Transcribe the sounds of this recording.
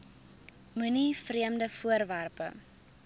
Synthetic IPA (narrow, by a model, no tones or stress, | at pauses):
mʉnifriəmdəfuərværpə̰